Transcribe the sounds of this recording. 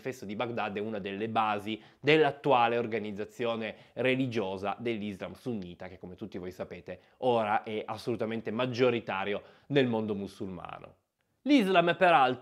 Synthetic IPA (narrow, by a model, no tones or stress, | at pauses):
fɛst̪od̪ibaɡd̪ad̪ɛunad̪elːebaːzi | d̪elːat̪ːuaːleorɡanid̪zːat̪sːjoːnerelid͡ʒoːza̰d̪elːizlamsuɲːiːt̪ak̟ekːomet̪ut̪ːivojsapeːt̪e | oːɾaʔɛʔasːolut̪ament̪emad͡ʒːoɾit̪aːɾjo | nelmond̪omusulma̰ːno̰ | lizlampeɾalt̪